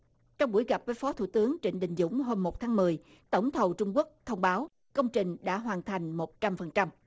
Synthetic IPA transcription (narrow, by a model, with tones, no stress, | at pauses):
t͡ɕɔ˧wŋ͡mɓu˧˩əjɣa˨˩p̚vəː˨˦jfɔ˨˦t̪ʰṵ˧˩t̪ɨ˨˦əŋt͡ɕi˧˩n̟ɗï˨˩ŋ̟zʊ̰˧˥ŋ͡mɦo˧mːo˨˩t̚t̪ʰaː˨˦ŋmɨ˨˩əj | t̪ə̰˧˩wŋ͡mt̪ʰə˨˩wt͡ɕʊ˧ŋ͡mku˦˥ək̚t̪ʰə˧wŋ͡mɓaː˨˦w | kə˧wŋ͡mt͡ɕï˨˩ŋ̟ɗa̰ː˧˥ɦwaː˨˩nt̪ʰa˨˩jŋ̟mo˨˩t̚t͡ɕa˧mfə˨˩nt͡ɕa˧m